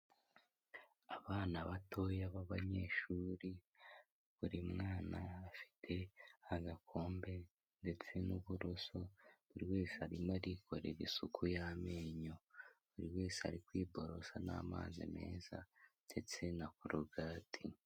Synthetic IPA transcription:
aβaːnaβatʰo̞jaβaβaɲe̞ːʃuːɾi | βuɾimŋaːnaːfi̥tʰe̞aɡakʰo̞ːmbe̞ | nde̞t͡se̞nuβuɾoso̞βuɾiwe̞ːseaɾimaɾikʰo̞ɾḛɾisukʰujame̞ːɲoβuɾiwe̞ːse̥ha̰ɾikwiːbo̞ɾo̞sana̰ːma̰ːzḭme̞̰ːza̰det͡se̞nakuɾuɡaːtʰi

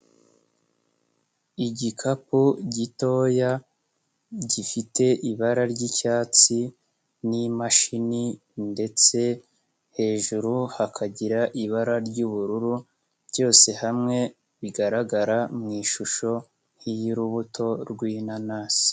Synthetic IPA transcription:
iɟikʰapuɟito̞ːja | ɟifite̞ʔiβaɾaɾɟicaːt͡si | nimaʃini | nde̞t͡se̞ | he̞ːʒuɾuhakʰaɟiɾaʔiβaɾaɾɟuβuɾuɾu | bɟo̞ːse̞hamŋe̞ | βiɡaɾaɡaɾamŋiːʃuʃo̞ | hijiɾuβutʰo̞ɾɡwinanaːsi̥

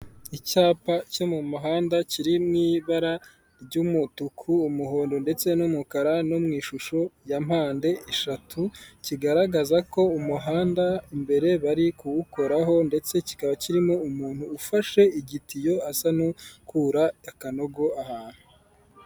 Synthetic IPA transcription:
it͡ʃaːpat͡ʃo̞mumaɦaːndaciɾimŋiːβaɾa | ɾɟumutukʰuːmuɦoːndonde̞t͡se̞numukaɾanomŋiːʃuʃo̞jam̥haːnde̞ʔeʃatʰuciɡaɾaɡazako̞umuɦaːndaimbe̞ɾe̞βaɾikuwuko̞ɾaɦo̞nde̞t͡se̞ci̥kaβaciɾimoumuːn̥huːfaʃe̞iɡitijo̞asanukuɾaakano̞ɡo̞ahaːn̥u

